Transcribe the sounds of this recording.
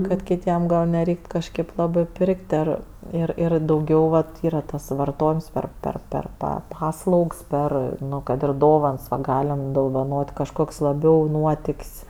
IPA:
kɐt kʲɪˈtʲiɛm ɡɐlˠ nʲɛˈrʲɛɪkt kɐʃʲˈkʲeːp ˈlˠɑːbɜ ˈpʲɪrʲkʲtʲ ɐr ɪr ˈɪr dɐʊˈɡʲɛʊ ʋɐt ˈiːrɐ tɐs ʋɐrˈtoːjɪms ˈpʲɛr ˈpʲɛr ˈpʲɛr ˈpɐ ˈpɑːslˠɐʊks ˈpʲɛr ˈnʊ kɐt ɪr ˈdoːʋɐns ʋɐ ˈɡɑːlʲɪm doːʋɐˈnoːtʲ kɐʃˈkoːkʲsʲ lˠɐˈbʲɛʊ ˈnuɔtʲɪkʲsʲ

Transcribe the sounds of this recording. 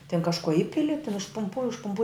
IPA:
tʲɪn kɐʃˈkoː ˈɪpʲɪlʲɪ tʲɪn ʊʃpʊmˈpuɔ ʊʃpʊˈmpuɔj

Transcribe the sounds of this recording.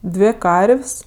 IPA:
ˈdʲʋʲeː ˈkɐrʲʋʲsʲ

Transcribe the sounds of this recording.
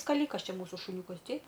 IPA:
skɐˈlʲiːkɐs ˈt͡ʃʲɛ ˈmuːsʊ ʃʊˈnʲuːkɐs ˈtʲɛɪp

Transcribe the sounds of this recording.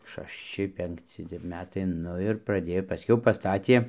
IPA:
ʃɐʃʲˈt͡ʃʲɪ pʲɛŋkˈt͡sʲɪ tʲɛp ˈmʲæːtɐɪ ˈnʊ ɪr prɐˈdʲeːjoː pɐˈsʲkʲɛʊ pɐˈstɑːtʲiɛ

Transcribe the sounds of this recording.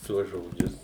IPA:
ˈtuɔs ʒoːˈd͡ʒʲʊs

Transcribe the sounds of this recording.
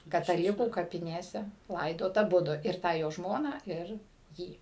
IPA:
kɐtɐˈlʲɪkuː kɐpʲɪˈnʲeːsʲɛ ˈlˠɐɪdoːt ɐˈbʊdʊ ɪr ˈtɑː joː ˈʒmoːnɑː ˈɪr ˈjiː

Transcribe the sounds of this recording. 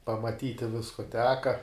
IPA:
pɐmɐˈtʲiːtʲɪ ˈʋʲɪskʊ ˈtʲæːkɐ

